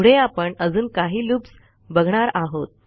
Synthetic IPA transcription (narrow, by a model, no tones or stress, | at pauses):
ɽeapəɳəd͡zuːnkaɦiːluːps | bəɡʱɳaɾaɦot̪̚